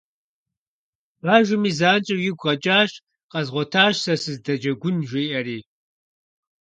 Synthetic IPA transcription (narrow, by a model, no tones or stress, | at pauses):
ʁaːʒʷʊmiːzaːnt͡ʃʼɐjɪɡʷʁɐt͡ʃʼaːʃ | qɐzʁʷɔtʰaːʃsɐsɨzdɐd͡ʒɐɡʷʊnʒʷeːʔɐriː